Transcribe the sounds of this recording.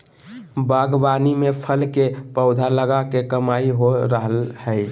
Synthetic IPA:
baɡbanimepʰəlkepəʊd̪ʱaləɡakekəmaiɦoɾəɦəlhəɪ

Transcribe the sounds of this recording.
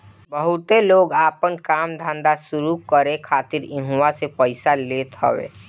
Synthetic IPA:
bəɦʊt̪eloːɡaːpənkaːmd̪ʱãːnd̪asʊɾukəɾekʰaːt̪ɪɾɪ̃ɦuwasepəɪsaleːt̪ɦɔ̰ʋḛː

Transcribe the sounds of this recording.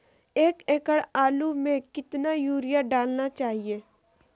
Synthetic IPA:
eːkeːkəɽaːlumẽkɪt̪najuːɾijaɖaːlnat͡ʃaːɦieː

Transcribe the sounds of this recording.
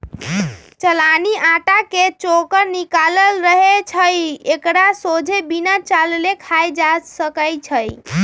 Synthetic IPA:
t͡ʃəlaniʔaʈaket͡ʃokəɾnikaləlɾəɦet͡ʃʰəjekɽasod͡ʒʱebinat͡ʃallekʰajd͡ʒasəkəjt͡ʃʰəj

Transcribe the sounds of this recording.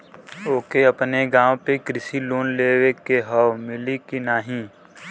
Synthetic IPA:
oːkeɐpneɡãːw̃pekɾɪsiloːnleːwekeɦɔwmɪlikinaːɦĩ

